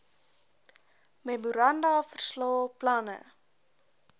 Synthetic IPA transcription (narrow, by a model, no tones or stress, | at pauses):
memuɾɐndɑfərslɑːplɐnə̰